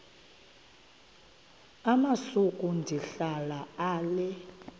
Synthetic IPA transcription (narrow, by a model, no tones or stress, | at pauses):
amasukʼundʱiɬalaaːlɛ